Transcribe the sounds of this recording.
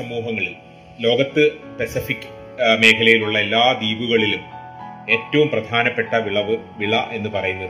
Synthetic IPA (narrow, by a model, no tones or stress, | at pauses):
sɐmuːɦɐŋːɐɭil | lo̞ːɡɐt̪ːɨpesifikːɨ̥ | me̞ːkʰɐlɐjiluɭːɐelːaːd̪iːʋuɣɐɭilum | e̞ːtːɐʋumprɐd̪ʱaːnɐpːe̞ʈːɐʋiɭɐʋɨʋiɭɐʔe̞nːɨpɐrɐjunːɐðɨ